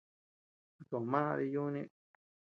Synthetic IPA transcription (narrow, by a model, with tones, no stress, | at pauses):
a˧k̪o˨mã˦˧ði˧ju˦nĩ˦˧